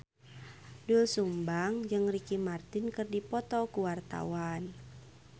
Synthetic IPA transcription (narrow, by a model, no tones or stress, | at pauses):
dulsumbaŋd͡ʒɨŋrikimart̪ɪnkɨrdipɔt̪ɔkuwart̪a̰wan